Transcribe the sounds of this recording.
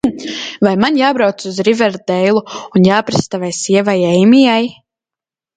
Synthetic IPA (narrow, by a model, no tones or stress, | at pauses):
vajmanjaːbɾawt̪suzɾivɛɾd̪ɛjlˠuunjaːpɾast̪avajsiɛvajɛjmijaj